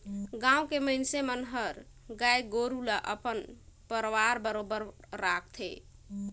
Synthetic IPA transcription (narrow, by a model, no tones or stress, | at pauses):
ɡãũkeməjnsemənɦəɾ | ɡajɡoɾulaʔəpənpəɾʋaɾbəɾobəɾːakʰt̪ʰḛ